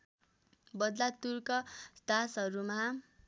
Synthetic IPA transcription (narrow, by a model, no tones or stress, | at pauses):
bʌd̪lat̪urkʌsd̪asɦʌɾuma